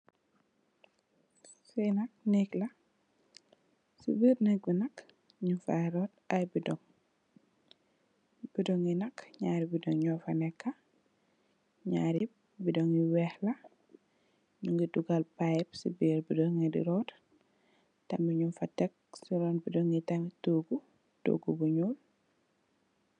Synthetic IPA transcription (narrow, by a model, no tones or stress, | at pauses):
sɛjnɐk̚nɛklɐ | sḭbiɾnɛk̚binɐk | ɲunfɐɾɔːt̚ɐjbidɔŋ | b̥idɔŋinɐkɲaːɾibidɔŋɲɔːfɐnɛkːɐ | ɲa̰ːɾip̚ | bidoŋiwɛhlɐ | ɲuŋɡiduɡalpajpsṵbiːɾbidɔŋedḭɾɔt | tɐmiɲunfɐtɛk̚siɾɔnbidɔŋitɐmituːɡu | d̥o̰ɡubuɲuːl